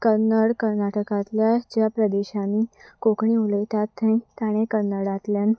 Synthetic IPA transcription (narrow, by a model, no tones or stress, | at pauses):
kəɾnəɽkəɾnaʈəkat̪ljat͡ɕjapɾəd̪eɕaniːkokɳiuləjt̪at̪ːẽt̪aɽ̃ekəɾnəɽat̪ljan